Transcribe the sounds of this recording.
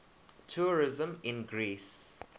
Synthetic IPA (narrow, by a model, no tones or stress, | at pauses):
tʰuɹɪzə̃mɪ̃nɡɹiːs